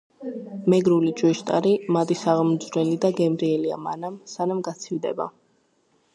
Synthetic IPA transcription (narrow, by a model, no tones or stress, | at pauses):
mɛɡɾulit͡ʃʼwiʃt̪ʼa̰ɾimad̪isaʁmd̪zɾɛlid̪aɡɛmɾiɛlia̰manamsanamɡat̪sʰivd̪ɛ̰ba̰